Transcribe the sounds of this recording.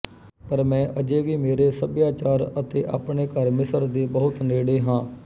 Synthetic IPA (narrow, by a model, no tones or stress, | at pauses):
pəɾmɛ̃ːʔəd͡ʒeːʋiːmeːɾeːsəbjaːt͡ʃaːɾət̪ḛːʔa̰ːpɳeːkəɾmɪsəɾd̪eːbəɦʊt̪neːɽeːɦãː